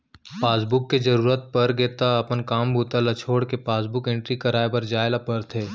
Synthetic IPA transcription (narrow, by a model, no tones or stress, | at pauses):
paːsbʊkːed͡ʒɐɾuːɾət̪̚pɐɾɡeːt̪aɐpənkaːmbʱuːt̪alɐt͡ʃʰoːɽkepaːsbʊkɪ̃ɳʈɾikɐɾaːebɐɾd͡ʒaːɪlapɐɾt̪ʰeː